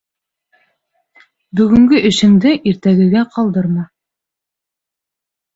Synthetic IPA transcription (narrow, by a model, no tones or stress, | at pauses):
bɵ̆ɡɘ̆ŋɡɘʔɘ̆ʃɘ̆md̪ɘʔiɾt̪æɡɘ̆ɡæqʰɑlˠd̪ɤɾmɑ